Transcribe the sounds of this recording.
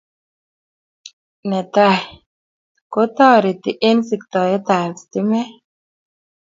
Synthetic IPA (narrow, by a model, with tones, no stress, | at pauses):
nɛ˨ta˦˨ | ko˦t̪ɔ˦˨ɾi˨t̪i˨ʔe˦nsi˨kt̪ɔ˨jɛ˦t̪a˨st̪i˦mɛ˦